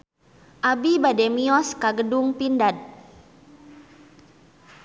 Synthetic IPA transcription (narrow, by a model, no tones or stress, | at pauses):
ʔabibadɛmiɔskaɡəduŋpindad̚